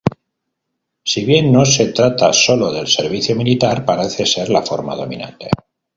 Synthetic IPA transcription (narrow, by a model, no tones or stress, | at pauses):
siβ̞je̞nːo̞se̞t̪ɾat̪aso̞lo̞ðe̞lse̞ɾβiθjomilit̪aɾpaɾeθe̞se̞ɾlafo̞ɾma̰ð̞o̞̰mḭ̃nã̰nt̪e̞̰